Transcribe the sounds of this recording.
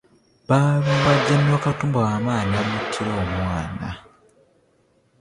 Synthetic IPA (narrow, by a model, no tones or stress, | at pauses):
βaβuβaɟːanːwakatuːmbawaːmaːnamutʰːiɾoːmwaːna̰